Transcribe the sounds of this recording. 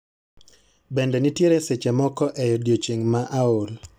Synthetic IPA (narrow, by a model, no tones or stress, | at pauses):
bɛndɛnitjeɾɛset͡ʃemɔkɔʔɛjɔdjot͡ʃeŋmaʔaol